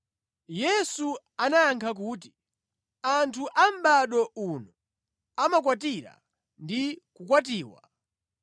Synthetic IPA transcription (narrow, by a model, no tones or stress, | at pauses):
jɛsu | anajaŋkʰak̬uːti̥ | antʰuʔam̩ɓaɗɔunɔ | amak̬watiɾa̰ | ndikukwatiːwa̰